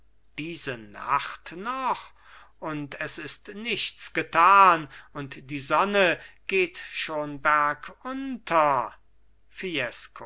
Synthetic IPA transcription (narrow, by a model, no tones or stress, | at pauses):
d̥iːzəna̰χtnɔχ | ʔʊntʰɛsɪstnɪçtt͡sɡ̥ətʰaːnʊntd̥iːzɔnəɡ̥eːtʃoːnbæɐkʰʊntʰɐ | fiɛskʰo